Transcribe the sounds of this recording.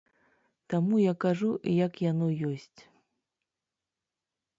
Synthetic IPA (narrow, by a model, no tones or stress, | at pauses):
t̪amujakaʐujɐkjanɔjɔsʲt͡sʲ